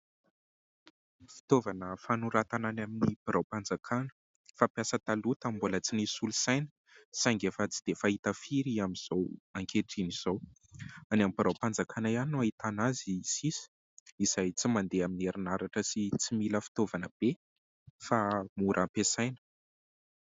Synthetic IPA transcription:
fi̥t̪ovanəfanuɾat̪ananaminipiɾawpand͡zakʰanə̥ | fapjasət̪alut̪ambulət͡sinisulusajnə̥ | saŋɡefət͡si̥d̪̥efaɦit̪əfiɾiamiz̥owaŋkʰeʈ͡ʂiniz̥ow | anamibiɾawpand͡zakʰanaiannːuait̪anazisisi̥ | iz̥ajt͡simand̪eaminieɾinaɾaʈ͡ʂəsit͡similəfi̥t̪ovanəb̥e | famuɾʔampesajnə̥

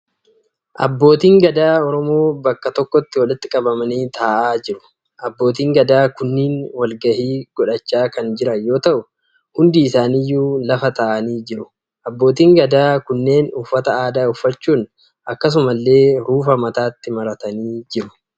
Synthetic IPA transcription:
ʔɐ̰bːo̞ːt̪iːŋɡɐd̪aːɔɾɔmo̞ːbɐkːɐt̪ɔkːɔt̪ːɪwɐlɪt̪ːɪkʼɐbɐmɐniːt̪ʰaːʔaːd͡ʒɪɾʊ̥ | ʔɐbːo̞ːt̪iːŋɡɐd̪aːkʊnːiːnwɐlɡɐhiːɡ̥ɔᶑɐt͡ʃːaːkɐnd͡ʒɪɾɐjo̞ːt̪ɐʔʊ | hʊnd̪iːɪsaːniːjːuːlɐfɐt̪aːʔɐniːd͡ʒɪɾʊ | ʔɐbːo̞ːt̪iːŋɡɐd̪aːkʊnːe̞ːnʊfːɐt̪ɐaːd̪aːʊfːɐt͡ʃːuːn | ʔɐkːɐs̬ʊmɐlːe̞ːɾuːfɐmɐt̪aːt̪ːɪmɐɾɐt̪ɐniːd͡ʒɪɾʊ̥

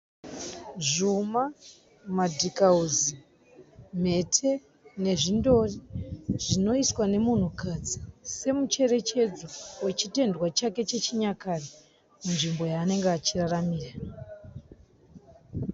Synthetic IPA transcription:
ʐuma | madʱikauzi | m̤e̞tʰe | ne̞ʐindo̞riʐ̥ino̞iswane̞mun̤ukad͡zise̞mut͡ʃe̞re̞t͡ʃe̞d͡zowe̞t͡ʃite̞ndwat͡ʃake̞t͡ʃe̞t͡ʃiɲakari | munʐimbo̞jaːne̞ŋɡeat͡ʃiraramiːra

